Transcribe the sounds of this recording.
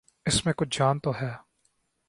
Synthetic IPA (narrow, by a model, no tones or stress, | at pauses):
ɪsmẽkʊt͡ʃʰd͡ʒaːnt̪oɦɛː